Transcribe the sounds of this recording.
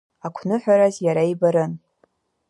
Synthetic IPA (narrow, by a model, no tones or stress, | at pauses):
akʷʰnɨħʷᶣaɾazjaɾaibaɾɨn